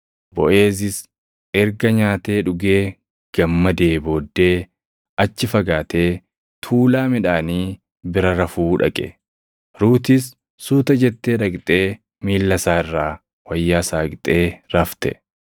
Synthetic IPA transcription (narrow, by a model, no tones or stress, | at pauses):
bɔʔe̞ːs̬ɪs | ʔɛɾɡɐɲaːt̪e̞ːᶑʊɡe̞ː | ɡ̥ɐmːɐd̪eːbo̞ːd̪ːe̞ː | ɐt͡ʃːɪfɐɡaːt̪e̞ː | t̪ʰuːlaːmɪᶑaːniː | bɪɾɐɾɐfuːᶑɐ̰kʼɛ̰ | ɾuːt̪ɪs | suːt̪ɐd͡ʒɛt̪ːe̞ːᶑɐkʼt̪ʼe̞ː | miːlːɐsaːɪrːaː | wɐjːaːsaːkʼt̪ʼe̞ːɾɐft̪ɛ̰